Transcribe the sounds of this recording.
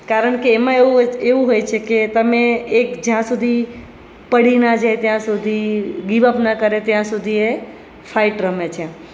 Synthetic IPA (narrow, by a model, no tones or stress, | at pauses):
kaɾəɳkeːmãeueʋũɦojt͡ʃʰeket̪əmẽːkd͡ʒãsud̪ʱi | pəɽinad͡ʒajt̪jãsud̪ʱiɡiʋəpnakəɾet̪jãsud̪ʱie | fʰaɪʈɾəmet͡ʃʰe